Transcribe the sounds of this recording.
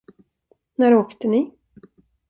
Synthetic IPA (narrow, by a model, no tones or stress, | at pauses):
næɾoːkt̪ənɪ